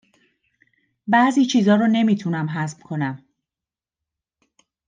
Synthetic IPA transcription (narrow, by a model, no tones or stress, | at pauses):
bæːziːt͡ʃʰiːzɒːɾone̞miːt̪ʰunæmɦæzmkʰo̞næm